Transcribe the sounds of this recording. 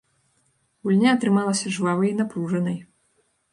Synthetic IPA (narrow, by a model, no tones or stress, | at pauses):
ɣulʲnʲaɐt̪ɾɨmalˠɐsʲɐʐvavɨjinapɾuʐɐnɐj